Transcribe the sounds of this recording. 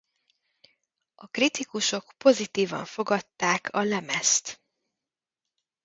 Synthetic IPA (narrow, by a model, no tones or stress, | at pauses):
ɒkrit̪ikuʃo̞kpo̞zit̪iːvɒ̰ɱfo̞ɡɒt̪ːaːkʰɒlɛmɛst̪